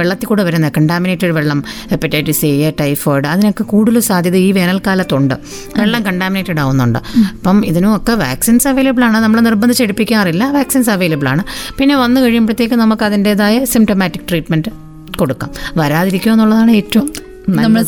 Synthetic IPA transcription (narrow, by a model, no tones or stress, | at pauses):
ʋeɭːɐt̪ːikuːɽɨʋɐɾunːɐkɐɳɖaːminetːɐɽʋe̞ɭːɐmepːitːeːʈːisejɐʈɐjfoːjɖɨɐðino̞kːe̞kuːɽilusaːd̪ʱjɐðiːʋe̞ːnɐlkaːlɐt̪ːoɳɖɨ̰ | ʋeɭːɐmkɐɳɖaːmineːtːɐɽaːʋunːuɳɖɨ̰ɐpːɐmiðinuokːe̞ʋa̰ːksinsɐʋe̞ːlɐbɨɭaːɳɨnɐmːɐɭenirbɐnd̪ʱit͡ɕːeɽupːikʲːaːrilːɐʋaːksiːns̬ɐʋe̞ːlɐbɨɭaːɳɨpinːe̞ʋɐnːɨkɐɻijumbɐɽɐt̪ːe̞ːkʲːɨnɐmukːɐðinde̞ðaːjɐsimʈomaːtːikːʈriːʈmenɖɨ | ko̞ɽukːa̰ːmʋɐɾaːðiɾikʲːumenːuɭːɐðaːɳɨe̞ːtːɐʋumː | nɐmɐ